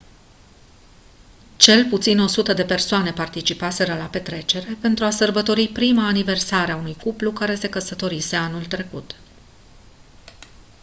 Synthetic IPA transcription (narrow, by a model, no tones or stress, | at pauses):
t͡ʃe̞lput̪sino̞sut̪əd̪e̞pe̞rsoane̞part̪it͡ʃipase̞ɾəlape̞t̪ɾe̞t͡ʃe̞ɾe̞pe̞nt̪ɾuasərbət̪o̞ɾipɾimaːnive̞rsaɾeaunujkuplukaɾe̞se̞kəsət̪o̞ɾise̞anult̪ɾe̞kut̪